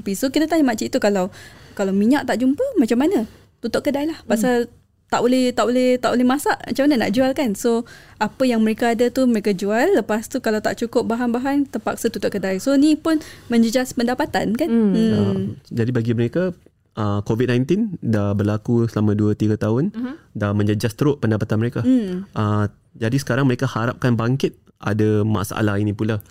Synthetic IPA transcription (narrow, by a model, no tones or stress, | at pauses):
pisokit̪ət̪aɲamat͡ʃit̪ukalawkalawmiɲaʔ̚t̪aʔd͡ʒumpəmat͡ʃamːanə | t̪ut̪ɔʔkədajlahpasal | t̪aʔbolɛht̪aʔbolɛht̪aʔbolɛhmasaʔma̰t͡ʃamanəna̰ʔd͡ʒualkansoapəjaŋməɾekaːdat̪uməɾekad͡ʒualːəpast̪ukalawt̪aʔt͡ʃukʊp̚baɦanbaɦant̪əpak̚sat̪ut̪ɔʔkədajsonipʊnmə̃ɲd͡ʒəd͡ʒaspəndapat̪ankan̩əmd͡ʒadibaɡiməɾeka | ʔəkovit̚nãjnt̪indabərlakusəlamãduət̪iɡət̪aɦʊndamə̃ɲd͡ʒəd͡ʒast̪əɾʊʔpəndapat̪anməɾekaʔə | d͡ʒadisə̥kaɾaŋməɾekahaɾap̚kanbaŋkɪt̪̚ | a̰dama̰sa̰ʔa̰lahinĩpula